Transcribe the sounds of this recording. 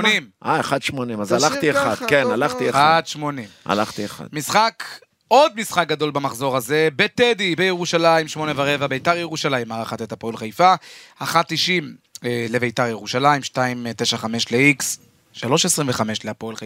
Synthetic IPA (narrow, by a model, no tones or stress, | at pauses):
nimʔaeχad̪ʃmonimazalaχt̪ieχad̥kenalaχt̪ieaad̪ʃmo̞nima̰la̰χt̪ieχa̰d̪misχak | o̞d̪̚misχak̚ɡad̪o̞lbamaχzo̞ʁazebet̪ed̪ibejeʁuʃalaimʃmo̞nevaʁevabejtaʁjeʁuʃalaimaʁaχat̪et̪apolχajfaaχat̪ːiʃimelevejtaʁjeʁuʃalaimʃtaimt̪e̞ʃaχame̞ʃleiks | ʃalo̞ʃesʁiɱveχame̞ʃleapolχa